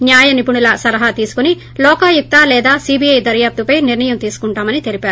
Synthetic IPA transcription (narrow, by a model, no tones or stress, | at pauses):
njaːjɐnipuɳulɐsɐlɐɦɐt̪iːsu̥kuni | lɔːkaːjuk̚t̪aːlɛːd̪aːsiːbiɐjd̪ɐɾjaːp̚t̪upɐjniɾɳɐjɐmt̪iːsu̥kuɳʈaːmɐnit̪e̞lipaːɾu